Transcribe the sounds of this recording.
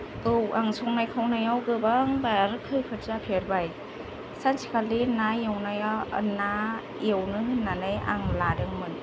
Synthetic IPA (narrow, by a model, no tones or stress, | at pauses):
ɯwʔaŋsʰɔŋnajkʰawnajawɡɯbaŋbaɾkʰɯjkʰɯtzapʰeɾbaj | sansʰi̥kʰalinajewnajana | iwnɯhɯnːanɯja̰ŋladɯŋmɯn